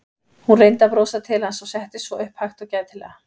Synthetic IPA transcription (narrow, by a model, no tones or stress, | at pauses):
hunrejnt̪apɾoːwsat̪ʰɪlhansɔɣsɛht̪ɪsvɔʔʏhphajxt̪ɔwcaːjðt̪ʰɪlɛ̰ɣa